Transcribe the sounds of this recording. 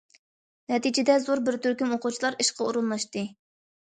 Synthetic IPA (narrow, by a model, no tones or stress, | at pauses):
nɛt̪ɪd͡ʒɪd̪ɛzoɾbɪɾt̪ʰøɾkʲymoqʊt͡ʃʰilˠɑɾiʃqɑuɾunlˠɑʃt̪ɨ